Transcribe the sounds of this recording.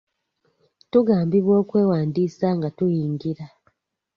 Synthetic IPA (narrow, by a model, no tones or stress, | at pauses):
tuɡaːmbiβwo̞ːkwe̞ːwaːndiːsaŋɡatujiːŋɡiɾa